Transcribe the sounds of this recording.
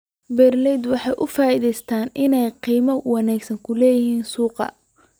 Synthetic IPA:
bɛrlɛd̪wɑħɑjʔʊfaːʔiðɛjst̪ʰaːnɪnɛjqiːmɐwɑnaːɡsɐŋkʰʊlɛːjɪɦiːnsuːqɑ̰

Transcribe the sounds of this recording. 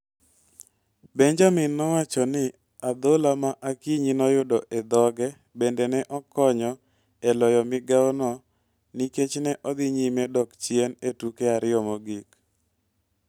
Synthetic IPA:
beɲd͡ʒamɪnːɔwat͡ʃɔnɪ | ad̪olamaʔakiɲinɔjʊdɔʔed̪ɔɡɛ | bendɛnɛʔɔkɔɲɔ | ɛlɔjɔmɪɡaɔnɔ | niket͡ʃnɛʔɔd̪ɪɲimɛdɔkt͡ʃjenetukeaɾɪɔmoɡik

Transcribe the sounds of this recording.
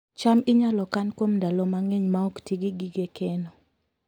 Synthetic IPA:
t͡ʃamɪɲalɔkankwomndalɔmaŋeɲmaɔktiɡiɡiɡekɛnɔ

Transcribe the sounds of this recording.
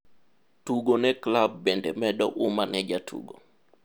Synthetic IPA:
tuɡonɛklabːɛndɛmɛɗɔʔumanɛd͡ʒatʰṵɡo̰

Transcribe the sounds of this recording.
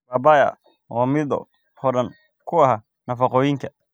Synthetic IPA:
baːbaːjɐ̰ | wɑːmɪd̪ɔ̰ | ɔɖɐn | kʰʊɐɦa | nɐfɑqɔːjɪŋkʰɐ̥

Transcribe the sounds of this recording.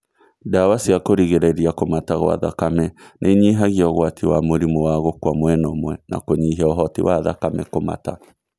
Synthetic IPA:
dawasiakoɾiɣeɾeiɾiakomataɣo̰wa̰ða̰kamɛnʔeɲiɦaɣiɔɣwatʰiwamoɾimowaɣokwamwɛnɔmwɛna̰koɲiɦɛɔɦɔtḭwaða̰kamɛkoma̰ta

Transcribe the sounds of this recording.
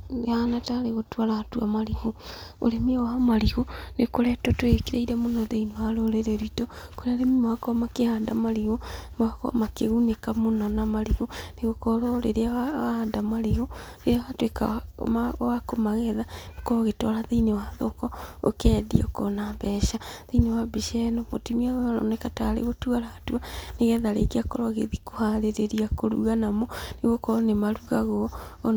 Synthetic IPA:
anataɾeɣotwaɾatwamaɾiɣoo̰ɾemiamaɾiɣonekoɾɛtɔtoekiɾaiɾamonɔðeinewaɾoɾeɾɛɾitɔkoɾeaɾemimakɔmakehandamaɾiɣomwakɔ̰makeɣunekamonɔnamaɾiɣoneɣokɔɾɔɾḛɾeaaahadamaɾiɣoɾeɾeawatwekamawakomaɣɛðanekɔɣetɔɾaðinewaðokɔo̰kɛːdḭɔkɔnabɛʃaðenewabiʃɛnɔmotimiaanɔ̰nekataɾḛɣotuaɾatuaneɣɛðaɾḛkiakɔɾɔɣḛðikohaɾeɾeɾiakoɾṵɣanamɔneɣokɔnemaɾuɣaɣɔ

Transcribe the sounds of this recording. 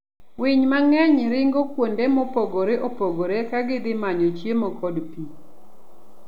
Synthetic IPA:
wɪɲmaŋɛɲɾɪŋɡokwondemɔpoɡoɾeʔopoɡoɾekaɡɪd̪ɪmaɲot͡ʃjemokʰɔdpi

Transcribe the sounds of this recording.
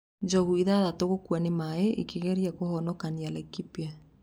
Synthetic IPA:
d͡ʒɔɣuiðaðatoɣokwanɪmaɛʔḭkeɣɛɾjakohɔnɔkanialɛkipja

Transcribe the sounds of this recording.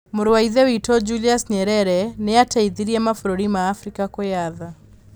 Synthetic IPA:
mʊɾwaiðɛwitɔd͡ʒuliasɲɛɾɛɾɛnɛatʰaiðiɾiamafuɾuɾimaːfɾikakɔjaða

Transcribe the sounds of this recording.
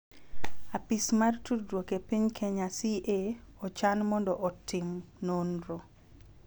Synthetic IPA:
apismartuɾwokepiɲkʰeɲasiʔeɔt͡ʃanmɔndɔʔɔtɪmnonɾo

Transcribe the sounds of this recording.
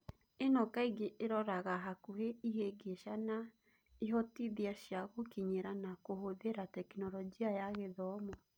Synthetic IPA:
enɔkaiɡeʔeɾɔɾaɣaɦakuɦeiɦeɡeʃana | iɦɔtiðiaʃjaɣokiɲeɾanakohoðeɾatɛkinɔɾɔɡiajaɣeðɔmɔ

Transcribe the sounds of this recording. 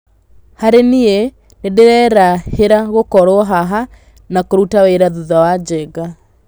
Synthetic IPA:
haɾenie | nedeɾɛɾaheɾaɣokɔɾoɔɦaɦa | nakoɾutaweɾaðuðawad͡ʑɛɣa

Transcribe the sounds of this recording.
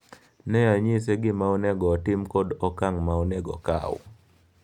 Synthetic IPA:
nɛaɲiseɡɪmaɔnɛɡɔtɪmkɔdɔkaŋmaɔnɛɡɔ̰ka̰w̰

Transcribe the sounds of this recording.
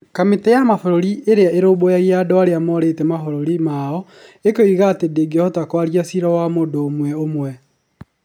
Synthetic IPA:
kametɛjamafoɾoɾiʔeɾeaeɾoːbojaiadɔaɾeamɔɾetɛmafoɾoɾimaɔ | ekoiɣatedeɡeɔhɔtakwaɾjasiɾɔwamoːdoːmwɛomwɛ

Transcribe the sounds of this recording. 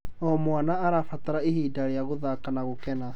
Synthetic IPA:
ɔmwanaaɾafataɾaeɦiːdaɾejaɣoðakanaɣokɛna

